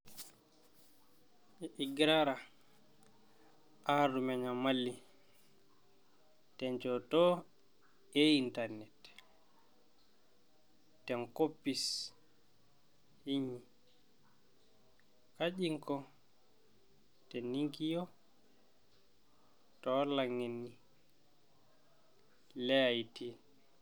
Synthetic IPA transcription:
ɛʔiɡɾaɾa | ʔaɾumɛɲamalːi | tɛnt͡ʃɔtɔ | ɛintaɾnɛt | tɛnkopːis | hiɲi | kad͡ʒiŋkɔ | tɛnːiŋkijɔ | tɔlaŋːenːi | lɛajti

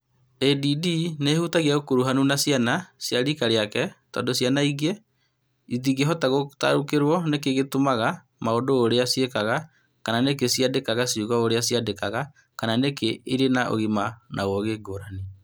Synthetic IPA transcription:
ɛdidinehutaɣiaɣokoɾuɦanunasjanasjaɾikaɾeakɛtɔ̰ːndosjanaiɣe | iðiɣeɦɔtaɣota̰ɾukeɾwɔnek̬eɣetomaɣa | maondoːɾeasjekaɣa | kananek̬esijadekaɣasiuɣaoɾeasiadekaɣa | kananekeiɾenaʔo̰ɣimanʔa̰wɔɣeɡoːɾane

